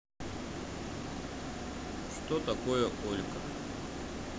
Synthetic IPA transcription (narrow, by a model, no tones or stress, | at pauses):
ʂt̪ot̪ɐkojəkolʲkə